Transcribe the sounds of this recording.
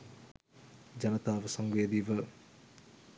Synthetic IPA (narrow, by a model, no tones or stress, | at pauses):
d͡ʒɐnɐt̪abɐsɐŋbedibɐ